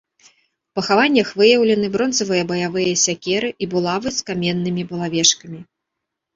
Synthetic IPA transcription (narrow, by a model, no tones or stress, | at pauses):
pɐxavanʲːɐxvɨjɐwlʲɛnɨbɾɔnzɐvɨjɐbɐjavɨjɐsʲakʲɛɾɨʔibulˠavɨskamʲɛnːɨmʲibɐlˠavʲɛʂkɐmʲi